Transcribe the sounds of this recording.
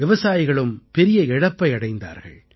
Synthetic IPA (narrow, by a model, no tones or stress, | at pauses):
ɛʋɐsaːjɪɣɐɭɯmpɛɾɪjɐɛɽɐpːɐɪɐɽɐɪnd̪a̰ːɾɣɐ̰ɭ